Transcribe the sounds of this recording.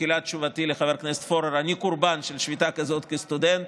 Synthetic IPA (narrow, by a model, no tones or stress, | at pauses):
ilatt͡ʃuvat̪ileχaveɾknese̥t̪foɾeɾanikuɾbanʃelʃvit̪akazo̞t̪kest̪ud̪ent̪